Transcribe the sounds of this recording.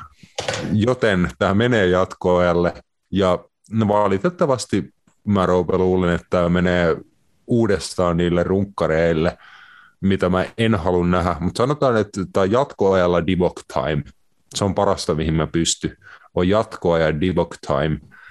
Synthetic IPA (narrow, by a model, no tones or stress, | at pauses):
jot̪ent̪æːmeneːjɑt̪koɑjɑlːe | jɑ | neʋɑlit̪et̪ːɑʋɑst̪i | mæroupeluːlenet̪ːæmeneː | uːdest̪ɑːnniːlːerruŋkːɑɾeilːe | mit̪æmæenhɑlunnæɦæmut̪sɑnot̪ɑːnet̪t̪æjɑt̪koɑjɑlːɑdibokt̪ʰɑ̰im | seompɑɾɑst̪ɑmihimmæpyst̪yojjɑt̪koɑjɑdibokt̪ʰɑ̰im